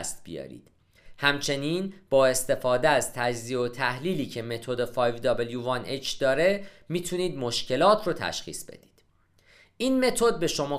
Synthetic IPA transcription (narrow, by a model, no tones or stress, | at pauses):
st̪̚bijɒ̰ːɾḭːd̪̥ | hæmt͡ʃʰe̞niːnb̥ɒːe̞st̪e̞fɒːd̪eæzt̪ʰæd͡ʒzieot̪ʰæhliːliːcʰe̞me̞t̪ʰo̞d̪e̞fɒːjvd̪ɒbeljuːvɒnʔet͡ʃʰd̪̥ɒːɾe̞ | miːt̪ʰuniːd̪mo̞ʃce̞lɒːt̪ʰrot̪ʰæ̰ʃxḭːsb̥ḛd̪̥i̥ːd̪̥ | ʔiːnme̞t̪ʰo̞d̪̚be̞ʃo̞mɒː